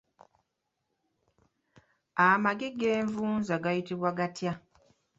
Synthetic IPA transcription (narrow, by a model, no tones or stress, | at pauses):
amaɡeɡeːɱvuːnzaɡajitiβwaɡatja